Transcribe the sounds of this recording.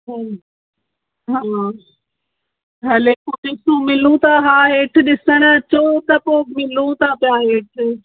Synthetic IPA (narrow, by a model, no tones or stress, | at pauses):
ɦ | ɦaː | ɦɐleːkoɗɪsũmɪlũt̪ʰaɦaːɦeːʈʰɪ̆ɗɪsəɽ̃t͡ɕot̪ɐpoːmɪlũt̪ʰapijaɦeːʈʰɪ